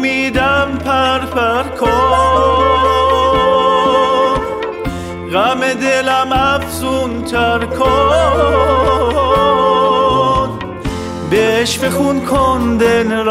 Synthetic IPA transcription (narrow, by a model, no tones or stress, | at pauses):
mid̪æmpʰæɾpʰæɾkʰɔ | ɣæmed̪elæmæfzunt̪ʰæɾkʰɔ | d̪ | beʃfexunkʰond̪enɾ